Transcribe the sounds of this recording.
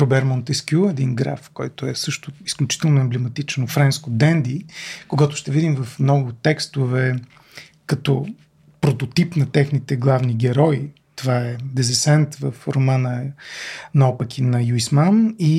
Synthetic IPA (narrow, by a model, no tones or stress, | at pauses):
ɾɔbɛɾmont̪ɛskʲjuɛd̪inɡɾa̰fkɔjt̪ʊɛsɤʃt̪ʊisklʲut͡ʃi̥t̪ɛlˠnʊɛmblɛmɐt̪it͡ʃnofɾɛnskʊd̪ɛnd̪ikoɡat̪ʊ̥ʃt̪ɛvid̪imvɐfmnɔɡʊt̪ɛkst̪ʊvɛ | kɐt̪ɔ | pɾot̪ot̪ipnɐt̪ɛxnit̪ɛɡlˠavniɡʲɛɾɔi | t̪ovaɛd̪ɛzɛsɛnt̪vəfɾomanə | nɐɔpəkʲinɐjuismani